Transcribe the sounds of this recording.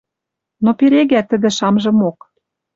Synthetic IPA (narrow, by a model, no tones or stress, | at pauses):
nopeɾeɣæt̪ə̆d̪ɘ̆ʃɑmʒɤ̆mok